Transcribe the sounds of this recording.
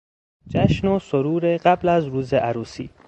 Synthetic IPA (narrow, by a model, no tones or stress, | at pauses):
d͡ʒæʃnosoɾuːɾeɢæblæzɾuːzeʔaɾuːsḭː